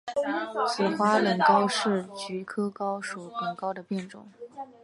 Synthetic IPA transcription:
sɛ˨˩xwa˥lə˨˩nkɑ˥ʊʂɻ̩˥˩t͡ɕy˧˥kʰɤ˥kɑ˥ʊʂu˧˩lə˨˩ŋkɑ˥ʊd̪ə˨pjɛ˥˩nʈ͡ʂʊ̰˨˩˦ŋ

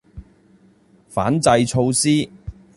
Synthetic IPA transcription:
fa̰ː˨˥nt͡sɐ˧jt͡ʃʰo˧wsiː˥

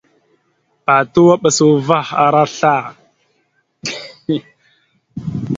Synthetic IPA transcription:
a˨tu˦wa˦ɓa˨su˨va˦xa̰˨ɾa˦ɬa˦˨

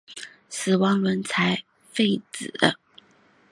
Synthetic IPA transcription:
sɹ̩˨˩wɑ˧˥ŋwə˧˥nt͡sʰa˧˥ɪ | fe˥˩ɪt͡sɹ̩˨˩d̪ə̰˦

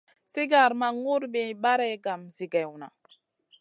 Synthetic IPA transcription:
si˦ɡa˨ɾma˨ŋu˦ɾbe˨ɓa˦ɾɛ˦ɡa˨mzi˨ɡɛ˨wna̰˨

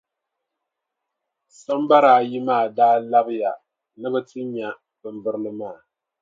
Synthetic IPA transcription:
sa˦m˦ba˦ɾaː˨ji˦maː˦˨daː˦la˦bɨ˦ja˨ | nɨ˦bɨ˦tʰɨ˦ɲa˨ | bɨ˨m˨bɨ˦ɾɨ˦lɨ˦maː˦˨

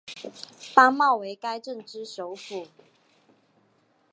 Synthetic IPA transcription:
ta˥mɑ˥˨ʊwe˨˦ɪka˦ɪʈ͡ʂə˥˨ŋʈ͡ʂɻ̩˥ʂo˨˦ʊfu˨˩

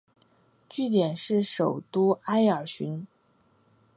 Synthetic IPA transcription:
t͡ɕy˥˩t̪̬jɛ˨˩nʂɻ̩˥˩ʂo˨˩ʊt̪u˥a˥ɪə˞˨˩ɕy˧˥n

